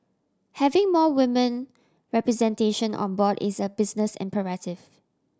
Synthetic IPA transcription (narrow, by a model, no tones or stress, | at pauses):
hɛvɪ̃ŋmɔwɪmə̃n | ɹɛpɹɛzɛ̃nteʃə̃nʔɔ̰̃nbɔdɪ̰səbɪsnəsɛ̰̃mpəɹatɪv̥